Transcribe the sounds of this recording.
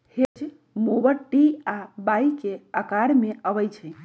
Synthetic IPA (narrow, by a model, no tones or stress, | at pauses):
hed͡ʒ | mobəɾʈiabajikeəkaɾmeəʋəjt͡ʃʰəj